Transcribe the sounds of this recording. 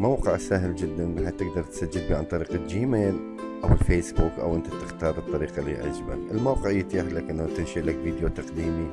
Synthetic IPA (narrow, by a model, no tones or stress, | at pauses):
mawqɪʕsaɦɪld͡ʒɪd̪ːanbɪħat̪ːɪɡd̪ɑɾˤt̪sad͡ʒːɪd̪̚biːʕant̪ˤɑɾiːqad͡ʒiːmeːl | ʔawɪlfeːsbuːkʔa̰wʔɪnt̪at̪ɪxt̪ɑːɾˤbɨt̪ˤːɑɾiːqɑlḭːʕa̰d͡ʒba̰ʔɪlmawqɪʕɪjːat̪jaħlakʔɪnːat̪ɪnʃilakviːd̪jot̪ɑqd̪iːmi